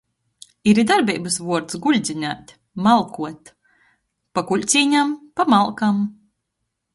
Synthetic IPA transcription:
iɾid̪aɾbʲḭːbɨsvuɔɾt̪sɡulʲd̪zʲinʲæ̰ːt̪ʲ | malˠkuɔt̪ | pakuʎʲt̪sʲiːɲampamalˠkam

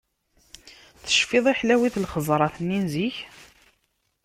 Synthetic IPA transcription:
θə̥ʃfɪðˤiħlæwiθlχəzˤɾˤɑθnːinziç

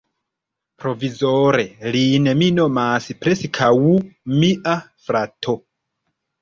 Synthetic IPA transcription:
pɾo̞vizoɾe̞linemino̞masipɾesikʰawumiʔafɾatʰo̞

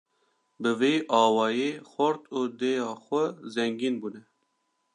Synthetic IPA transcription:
bɨveːʔɑːwɑːjeːxʷɔɾt̪uːd̪eːjɑːxʷɛzɛŋɡiːnbuːnɛ

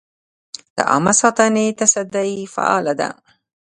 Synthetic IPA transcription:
la̰ʔa̰mɑsˤɑt̪anit̪asad̪aifa̰ʔa̰ːlad̪a̰

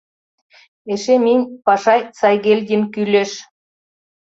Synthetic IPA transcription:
eʃeminʲpɑʃɑjsɑjɣelʲd̪ʲinkylʲeʃ

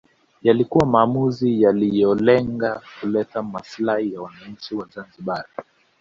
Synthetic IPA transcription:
jalikuwamaːmuzijalijɔlɛŋɡakulɛtamaslahijawanaɲ̩t͡ʃiwazanziɓai

